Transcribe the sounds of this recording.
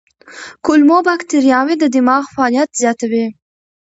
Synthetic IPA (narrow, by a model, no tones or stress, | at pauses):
kʊlmobakt̪ɪɾjɑwed̪əd̪ɪmɑɣfaɑlijat̪z̥jɑt̪awi